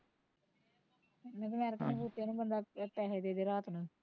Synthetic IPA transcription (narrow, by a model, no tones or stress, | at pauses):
ẽːk̪əmɛːɾkːneːbuːt̪ːeːnũːbənd̪aːt̪ɛːɦed̪eːd̪eːɾaːt̪nũː